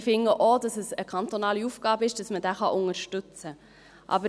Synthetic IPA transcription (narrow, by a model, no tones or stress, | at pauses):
fɪŋəʔodɑsəsəkʰɑnt̪onɑːliuːfɡ̥ɑːbəɪʃd̥ɑsmədæːχɑʔʊŋəɾʃtʏt͡sə | ʔɑ̰bə